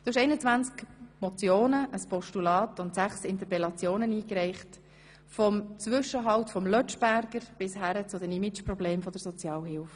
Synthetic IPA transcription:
d̪̥oɪʃɛɪnət͡svænt͡skmɔt͡sjoːnəʔəspɔʃtulɑːtʊntsæχsɪnt̪əpɛlɑt͡sjoːnəniːkɾɛɪχt | fɔmt͡sʋʏʃəɦɑltfɔmlœt͡ʃb̥æɾɡ̥əɾb̥ɪshæɾət͡sʊd̪ɛnimɪt͡ʃpɾɔbleːmfɔd̥əɾsɔt͡sjɑːlɦɪlf

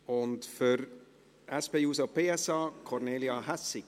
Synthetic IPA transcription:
ɔnt̪fœɾ | ɛspeuːsəpeːɛsɑːkʰɔɾneːljɑhæsɪ

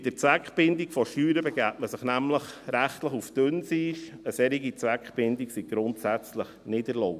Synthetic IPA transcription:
d̥ət͡sʋækχb̥ɪndikfɔʃtyːɾəbɛɡæːtməsəχnæmləχɾæχtləχufd̥ʏnsiʃəsɛɾiɡit͡sʋækχb̥ɪndiksiɡ̥ɾʊntsæt͡sləχnɪdəɾloʊ

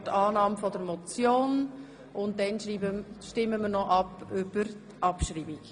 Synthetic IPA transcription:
tɑːnɑːmfɔdəɾmɔt͡sjoːn | ʔʊnt̚dɛnʃiːbəʃtɪmːəməɾnɔʔɑpʏb̥əɾtʔɑpʃɾiːbik

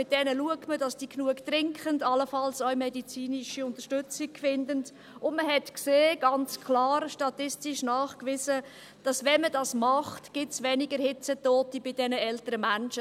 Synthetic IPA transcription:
mɪt̚d̥ɛnəluək̚tmədɑsd̥iːknuəktrɪŋkχəndɑləfɑlsœɥmɛdit͡siːniʃiʊnt̪əʃtʏt͡sɪk̚kfɪndənd | ʊndməɦɛtkseːɡ̥ɑnt͡skʰlɑːɾʃtɑtɪstiʃnɑːχkvisə | d̥ɑsvɛnmədɑsmɑχtɡ̥ɪtsvʋɛniɡəɾhɪt͡sətoːtəbɪdɛnəɛltəɾəmænʃə

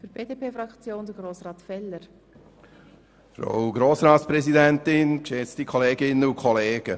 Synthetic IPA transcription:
fyb̥eːdeːpʰeːfɾɑkt͡sjoːnd̥̪əɡɾoːsɾɑːt̪fɛlːəɾ | fɾo̰wɡɾoːsɾɑːtspɾɛzidɛntɪnkʃɛt͡stikʰɔleːɡɪnːəʊkʰɔleːɡ̥ə

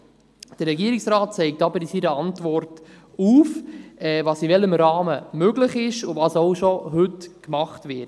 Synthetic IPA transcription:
d̥əɾːɛɡiəɾɪksɾaːt̚t͡sɛɪk̚tɑbəɾsiɾəɑntvɔrt | uːfɛːvɑːsivɛləmɾɑːməmøɡlɪχɪʃʊvɑːsowʃɔɦʏtkmɑχtvɪt

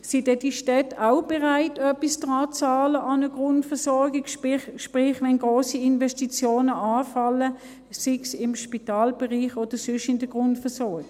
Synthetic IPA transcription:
sid̥ɛd̥iʃtɛtaʊb̥ɛʁaɪtʰœpisd̥ʁɑːt͡sɑːləʔɑnəɡʁʊntfɛsɔɐɡikʃpʁɪχʋɛnɡʁoːsiinvɛstit͡sjoːnəɑːfɑlə | sɪksɪmʃpitɑːlb̥ɛʁiːχoːd̥əsʏʃɪndəɡ̥ʁʊntfɛɐsɔɐɡɪ

